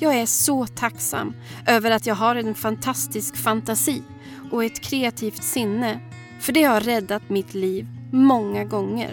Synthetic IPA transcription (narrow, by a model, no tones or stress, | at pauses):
jɑːɡæʂɔt̪ʰaksa̰mːʔøːvəɾat̪jɑːɡɦaɾɛnfant̪ʰast̪ɪskfant̪asiː | ʔɔɛt̪kʰɾeːat̪ʰiːft̪sɪnːə | fœɖɛhaɾɛd̪ːat̪mɪt̪liːvmɔŋːaɡɔŋːə̰ɾ